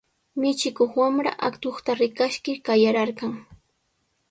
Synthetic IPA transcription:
mɪt͡ʃɪkoχwamɾa̰ʔakt̪oχt̪aɾɪkaʃkɪkajaɾaɾkɑŋ

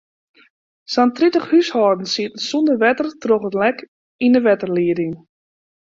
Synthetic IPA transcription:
santritəχhyshɔːrdn̩siətən̩sundəʋɛtərtroχətlɛk | inəʋɛtərliədɪŋ

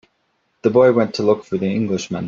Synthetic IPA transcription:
ðəbɔɪwɛ̃ntʰəlʊkfə˞ðiɪ̃ŋɡlɪʃmə̰̃n

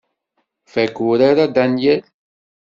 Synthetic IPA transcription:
fækuɾaɾad̪ænjæl

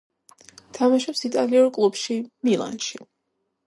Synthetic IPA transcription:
t̪ʰamaʃɔpsit̪ʼaliɔɾkʼlˠubʃimilˠa̰nʃi

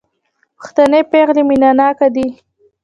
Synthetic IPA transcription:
pə̥xt̪anepeɣliminanɑkad̪i

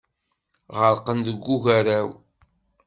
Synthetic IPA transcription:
ʁəɾqənd̪əɡːuʝæɾæw

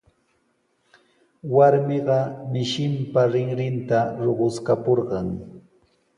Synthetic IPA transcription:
waɾmɪɢɑmɪʃɪmpaɾɪŋɾɪnt̪aɾoɢʊskapoɾɢɑŋ

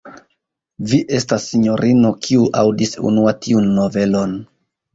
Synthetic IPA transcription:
viʔe̞stasːiɲo̞ɾʔino̞kʰiuʔawdisṵnuatiunːo̞ve̞lo̞n

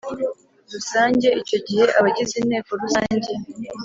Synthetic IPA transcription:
ɾusaːɲɟe̞ʔico̞ɟihe̞ʔaβaɟizinhe̞ːko̞ɾusaːɲɟe̞

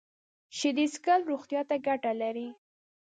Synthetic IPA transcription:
ʃɪd̪iskalɾoxt̪jɑt̪aɡaʈalaɾi

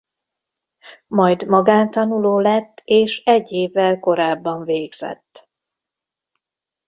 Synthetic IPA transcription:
mɒjd̪mɒɡaːnt̪ɒnuloːlɛt̪ːeːʃɛɟːeːvːɛlko̞ɾaːbːɒɱveːɡz̥ɛ̰t̪ː

